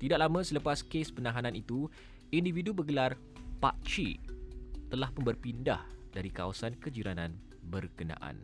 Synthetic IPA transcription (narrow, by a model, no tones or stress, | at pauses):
t̪idaʔ̚lamə̃sələpaskespənãɦanãnit̪u | individubəɡəlar | pa̰ʔt͡ʃḭ | t̪əlahpunbərpinda̰hdaɾikawasankəd͡ʒiɾanãn | bərkənã̰ʔa̰n